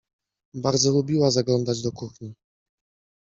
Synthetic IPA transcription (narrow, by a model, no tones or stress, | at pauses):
baɾd̪zɔlubʲiwazaɡlɔnd̪ad͡ʑd̪ɔkuxɲi